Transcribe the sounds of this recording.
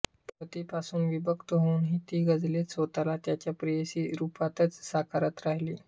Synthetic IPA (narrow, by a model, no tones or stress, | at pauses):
pɾət̪ipasuːnʋibəkt̪əɦoːnɦiːt̪iːɡəd͡zlesot̪alat̪jat͡ɕjapɾijesiːɾupat̪ət͡ssakʰaɾət̪ɾaɦliː